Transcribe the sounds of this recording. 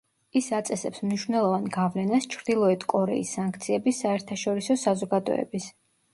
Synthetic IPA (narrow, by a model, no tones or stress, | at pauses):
isat̪sʼɛsɛpsmniʃvnɛlˠɔvanɡavlɛnast͡ʃʰɾd̪ilˠɔɛt̪ʰkʼɔɾɛ̰isːaŋkʰt̪sʰiɛbisaɛɾt̪ʰaʃɔɾisɔsazɔɡad̪ɔ̰ɛ̰bis